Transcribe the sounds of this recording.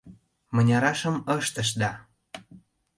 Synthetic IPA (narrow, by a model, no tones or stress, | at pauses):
mə̆nʲɑɾɑʃə̆məʃt̪ə̆ʃ̬d̪ɑ